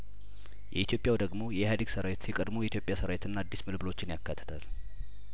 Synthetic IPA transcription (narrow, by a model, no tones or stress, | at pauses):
jɛ̰it̪jo̞pʼjawd̪əɡmo̞jɛhad̪iɡsəɾawet̪jɛkʼəd̪mojɛit̪jo̞pʼjasəɾawet̪ʰɨnːaad̪ːismɨlblo̞t͡ʃːɪnjakʰːat̪ʰːə̥t̪ʰal